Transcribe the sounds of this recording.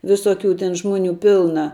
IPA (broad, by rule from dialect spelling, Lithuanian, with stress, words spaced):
ʋʲɪsoːˌkʲuː tʲɛn ˈʒmoːˌnʲuː ˈpʲɪlˠnɐ